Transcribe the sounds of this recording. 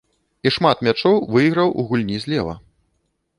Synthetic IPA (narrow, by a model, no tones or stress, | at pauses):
iʂmat̪mʲat͡ʂɔwvɨjɣɾɐwṵɣulʲnʲizʲlʲɛvɐ̰